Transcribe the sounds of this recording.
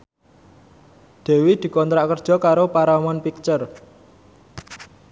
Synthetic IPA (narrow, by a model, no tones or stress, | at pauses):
d̪̥e̤wid̪̥i̤kɔnt̪ɾaʔkərd̥ʒ̥ɔ̤kaɾopaɾamɔnpik̚t͡ʃər